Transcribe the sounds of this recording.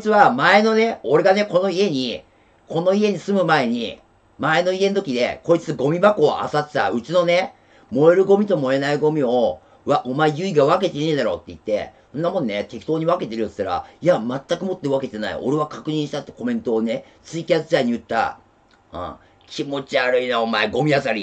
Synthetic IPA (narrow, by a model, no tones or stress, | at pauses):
ot͡sɨβamae̞no̞ne̞o̞ɾe̞ɡane̞ko̞no̞ie̞ɲ̟i | kʰo̞no̞ie̞ɲ̟isɨmɯ̟mae̞ɲ̟i | mae̞no̞ie̞not̪o̞kʲid̪e̞̰ko̞it͡sɨ̥t͡sɨɡo̞mʲibako̞ːʔa̰sat̪e̥t̪a̰ɯ̟t͡ɕino̞ne̞ | mo̞eɾɯ̟ɡo̞mʲit̪o̞mo̞e̞naiɡo̞mʲio̞ | βaʔo̞maejɯ̟iɡaβake̞t̪e̞nẽd̪aɾo̞ːt̪ːe̞it̪ːe̞̰sõnːamõ̞nːnet̪e̞ki̥t̪o̞ːɲ̟iβake̞t̪e̞ɾɯ̟osɨ̥t̪ːaɾa̰iamat̪ːakɯ̟mo̞t̪ːeɯβake̞t̪e̞na̰ḭo̞̰ɾe̞β̞akakɯ̟ɲ̟ĩɰ̃ɕi̥t̪at̪ːe̥ko̞mẽ̞nt̪o̞ːne̞ | t͡sɨikʲiat͡sɨzaiɲ̟iɯ̟t̪ːa̰ | ɯ̰̃ː | kʲimo̞t͡ɕiaɾɯ̟inaomaeɡo̞mʲiasaɾʲi